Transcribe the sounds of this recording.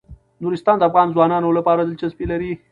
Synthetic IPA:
nuɾɪst̪ɑːnd̪əafɣɑnzwɑnɑnolapɑːɾad̪əlt͡ʃaspelaɾi

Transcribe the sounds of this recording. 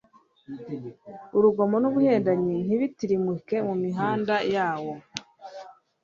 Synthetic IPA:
uɾuɡomo̞nuβuhe̞ːndaɲin̥iβitiɾimuke̞mumiɦaːndajaːwo̞

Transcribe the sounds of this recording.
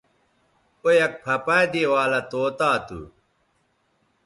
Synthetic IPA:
ojɐk̚pʰɐpaːd̪eːwaːlɐt̪oːt̪aːt̪ṵ

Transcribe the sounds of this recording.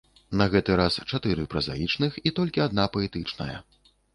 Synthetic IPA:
nɐɣɛt̪ɨɾast͡ʂat̪ɨɾɨpɾɐza̰jit͡ʂnɨxit̪ɔlʲkʲiad̪̚napɐɛt̪ɨt͡ʂnɐ̰jɐ̰

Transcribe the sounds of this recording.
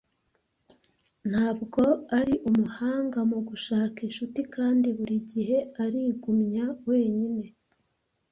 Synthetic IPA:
n̥haːbɡo̞aɾiʔumuhaːŋɡamuɡuʃaːkinʃutikaːndiβuɾiɟihe̞aɾiːɡumɲawe̞ːɲine̞

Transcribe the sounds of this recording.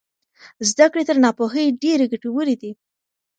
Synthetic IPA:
zd̪akɽet̪əɾnɑpoxəjɖeɾeɡaʈewəɾed̪i

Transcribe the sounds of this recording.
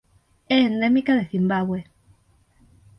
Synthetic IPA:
eːnd̪emikaðeθimbaɣwe

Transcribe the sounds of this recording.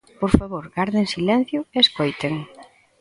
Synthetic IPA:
poɾfaβoɾɡaɾðeŋsilɛn̟θjʊeeskojt̪eŋ

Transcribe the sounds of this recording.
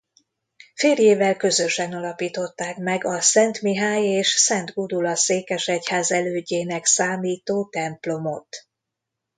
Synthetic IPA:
feːrjeːvɛlkø̞zø̞ʃɛnɒlɒpiːt̪o̞t̪ːaːkmɛɡɒsɛnt̪miɦaːjeːʃsɛnd̪ɡud̪ulɒseːkɛʃɛchaːzɛløːɟeːnɛksaːmiːt̪oːt̪ɛmplo̞mo̞t̪

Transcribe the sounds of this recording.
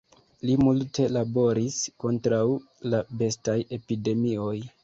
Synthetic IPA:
limulte̞labo̞ɾisko̞ntɾaw | labe̞staje̞pide̞mio̞j

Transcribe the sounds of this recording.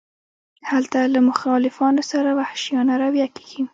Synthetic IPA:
halt̪alamʊxɑlɪfɑnosaɾawahʃijɑnaɾawjat̪i̥ɡim

